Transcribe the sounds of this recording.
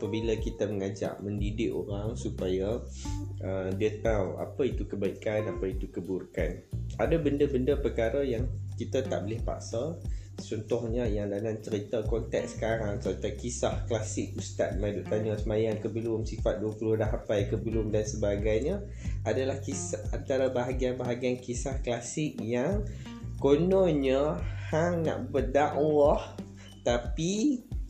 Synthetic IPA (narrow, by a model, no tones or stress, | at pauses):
apəbiləkit̪əməŋad͡ʒa̰ʔmə̃ndidɪkoɾaŋsupaja | ədiət̪awa̰pəit̪ukəbaikanapəit̪ukəburkanadəbəndəbəndəpəkaɾəjaŋkit̪ət̪a̰ʔbəlɪhpa̰ʔsat͡ʃɔnt̪ɔhɲəjaŋdanamt͡ʃəɾit̪əkɔnt̪ɛ̰k̚sə̥kaɾaŋsət̪ajkisahklasɪk̚ust̪a̰t̪̚maduʔt̪aɲəsəmãjankəbəlʊmsifat̪̚duəpulʊhdaɦapajkəbəlʊmdansəbaɡajɲə | adəlahkisaa̰nt̪aɾəbaɦaɡianbaɦaɡiankisahklasɪk̚jaŋ | konoɲəhaŋna̰ʔbərdaʔwah | t̪api